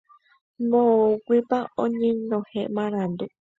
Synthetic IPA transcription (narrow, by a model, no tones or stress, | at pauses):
mõkʷipaoɲĩnõheʔmãɾãnd̪u